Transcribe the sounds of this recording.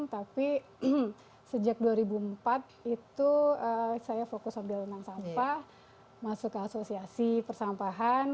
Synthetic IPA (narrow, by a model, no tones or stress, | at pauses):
t̪api | səd͡ʒak̚duaɾibuəmpat̪̚it̪uəsajafokʊsambɪlunt̪aŋsampah | masʊkasosiasipərsampaɦan